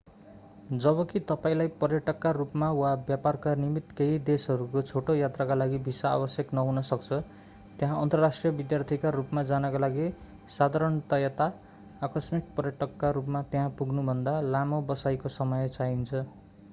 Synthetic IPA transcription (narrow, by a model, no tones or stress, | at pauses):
d͡zʌbʌkit̪ʌpaĩlajpʌrjʌʈʌkːarupmawabjaparkanimit̪keid̪esʌɾukot͡sʰoʈojat̪rakalaɡibʱisaa̰bʌsjʌknʌɦunʌsʌk̚t͡sʰʌ | t̪eɦãʌnt̪ʌrasʈrijʌbid̪jart̪ʰikarupmad͡zanʌkalaɡi | sad̪ʱaɾʌɳt̪ʌjat̪aː | kʌsmik̚pʌrjʌʈʌkːaɾupmat̪eɦãpuɡnubʱʌnd̪alamobʌsajkosʌmʌjt͡saɦint͡sʰʌ